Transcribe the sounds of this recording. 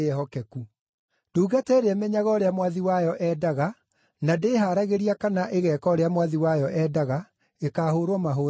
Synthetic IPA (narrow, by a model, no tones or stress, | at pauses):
ɛɦɔkɛku | d̥uːɣatɛɾɛmɛɲaɣɔɾeamwaðiwajɔʔɛdaɣa | nadeːɦaːɾaɣeɾiakanaʔeɣɛːkɔɾeamwaðiwajɔʔɛːdaɣa | ekaːhoːɾwɔmaɦoː